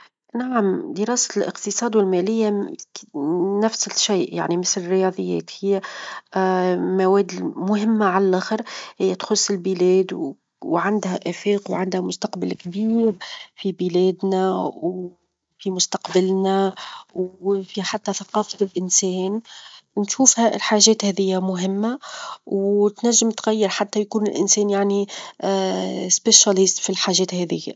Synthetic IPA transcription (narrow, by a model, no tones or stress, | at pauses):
naʕamd̪əɾɑːsḁlʔɪ̰qt̪ɪsˤɑːd̪wɪlmælɪjːa | næfsɪʃaːʔja̰ʕnimɪθlɪrːɪjɑːðˤəjːɛ̰ːt̪hɪjːæ | mawɛːd̪mʊhɪmːaʕalælʔæxəɾhɪjːæt̪xʊsːɪlbɪlɛːd̪ | wʕand̪hæʔæfiːqwʕand̪hæmʊst̪ɑqbalkbiːɾfibilɛːd̪næw | fimʊst̪ɑqbalnæwfiħat̪ːæθɑqɑːfaɪlʔɪnsɛːnnʃuːfhælħaːʒɛːt̪hɛːðɪjːamʊɦɪmːawt̪næʒːɪmt̪ɣæjːɪɾħat̪ːæjkuːnɪlʔɪnsɛːnjaʕni | speʃalɪst̪filħaːʒɛːt̪hɛːðɪjːa̰